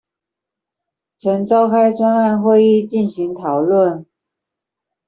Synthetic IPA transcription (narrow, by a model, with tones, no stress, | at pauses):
t͡sʰə˧˥nt͡sɑ˥ʊkʰa˥ɪʈ͡ʂwa˥na˥˧nxwe˥˧ɪi˥˧˨t͡ɕi˥˩nɕi˧˥ŋt̪ʰɑ˨˩ʊlwə˥˩n